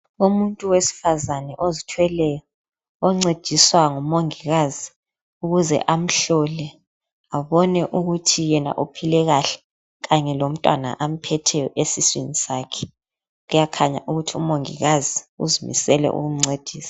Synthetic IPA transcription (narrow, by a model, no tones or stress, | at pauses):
umuntʼuwesi̥fazanɛʔozitʰwɛlɛjɔ | ɔŋ͡ǀed̥ʱiswaŋumoŋiɣazi | uɣuzɛ̰ʔam̩ɬɔlɛ | aβɔnɛʔuɣutʰijɛna̰ʔupʰilɛɣaɬɛ̥ | ɣaɲɛlom̩tʼwa̰na̰ʔam̩pʰɛtʰɛjɔʔesiswinisaːkʰɛ̥ | ɣujakʰaɲa̰ʔuɣutʰiṵmoŋḭɣaziṵzimḭsɛlɛ̰ʔṵɣum̩ŋ͡ǀed̥ʱiːsḁ